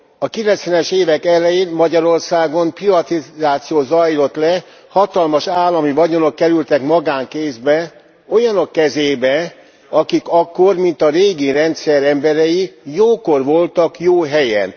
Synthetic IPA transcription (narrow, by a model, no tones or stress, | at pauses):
ɒkilɛnt̪sʋɛnɛʃeːvɛkɛlɛjeːnmɒɟɒɾo̞rsaːɡo̞mprivɒt̪izaːt̪sijoːzɒjlo̞t̪lɛ | hɒt̪ɒlmɒʃaːlːɒmivɒɟo̞no̞kːɛɾylt̪ɛkmɒɡaːŋkeːzbɛ | o̞jɒno̞kːɛzeːbɛ | ɒkikɒkːo̞rmint̪ɒɾeːɡiɾɛnt̪sɛɾɛmbɛɾɛjijoːko̞rʋo̞lt̪ɒkjoːɦɛjɛ̰n